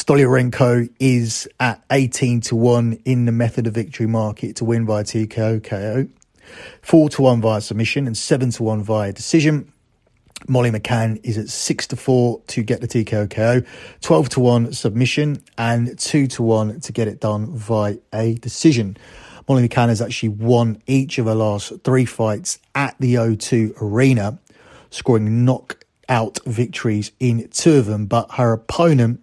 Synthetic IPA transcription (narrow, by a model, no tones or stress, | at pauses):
stɒljəɹɛ̃ŋkʰəʊɪzəteɪtʰĩntʰəwʌ̃nɪ̃nðəmɛθədəvɪk̚tʰəɹimɑˑkʰɪtʰəwɪ̃nvaɪətʰikʰeɪəʊkʰeɪəʊ | fɔːtʰəwʌ̃nvaɪəsəb̚mɪʃə̃nə̃nsɛvə̃ntʰəwʌ̃nvaɪədɪsɪʒə̃n | mɒliməkʰãnɪzətsɪkstʰəfɔːtʰəɡɛʔðətʰiːkʰeɪəʊkʰeɪəʊtʰw̥ɛlˠv̥tʰəwʌ̃nsəb̚mɪʃə̃nə̃ntʰʉːtʰəwʌ̃ntʰəɡɛɾɪʔ̚d̥ʌ̃nvaɪədɪsɪʒə̃nmɒliməkʰãnəzak̚t͡ʃəliwʌ̃niˑt͡ʃəvðəlɑˑsθɹiːfaɪtsəʔðiəʊtʰʉːəɹĩːnə | skɹɔːɹɪ̃ŋnɒk | aʊtvɪk̚tʰəɹizɪ̃ntʰʉəvðə̃mbʌʔhəɹəpʰə̃ʊ̃nə̃nʔ